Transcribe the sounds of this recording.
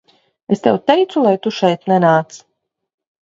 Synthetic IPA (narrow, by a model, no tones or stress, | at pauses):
est̪ɛ̰wt̪ɛjt̪sulˠajt̪uʃɛjt̪nɛnaːt̪s